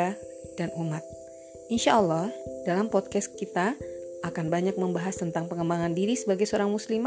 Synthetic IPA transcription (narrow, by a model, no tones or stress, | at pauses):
a | danumat̪̚ | inʃaʔəlːɑhd̥alampɔt̪̚kɛst̪̚kit̪aːkanbaɲak̚məmbaɦast̪ənt̪aŋpəŋəmbaŋandiɾisəbaɡajsəoɾaŋmuslima